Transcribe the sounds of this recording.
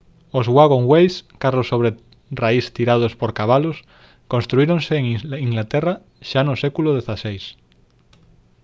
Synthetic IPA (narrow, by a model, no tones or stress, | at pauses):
ozɣwaɣõŋwejskarosːoβ̞ɾe | raist̪iɾað̞ospoɾkaβ̞alos | konst̪ɾuiɾoŋseːŋiiŋɡlat̪era | ʃanosekuloð̞eθasejs